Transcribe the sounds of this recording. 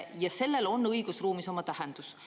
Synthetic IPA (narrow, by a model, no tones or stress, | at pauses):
jɑse̞lːe̞lo̞nːɤjɡ̥usruːmiso̞mɑt̪æhend̪̥us